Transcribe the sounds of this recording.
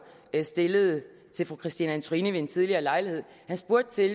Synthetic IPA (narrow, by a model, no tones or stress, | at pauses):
sd̥e̝ləð̞̩ˠ | t͡sʰe̝lfʁukʰʁisd̥inəænt͡sʰoʁiːnəʋe̝̥ent͡sʰið̞ˠliɐːlɑ̈ɪlihe̝ð̞̰ˠhænsb̥uɐd̥ət͡sʰe̝l